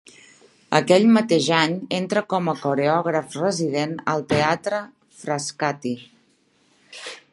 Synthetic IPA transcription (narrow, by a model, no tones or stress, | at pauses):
ə̰kɛʎmət̪eʒaɲent̪ɾəkɔməkuɾeɔɣ̞ɾəfrəzið̞enə̰lˠt̪eat̪ɾə | fɾəskat̪i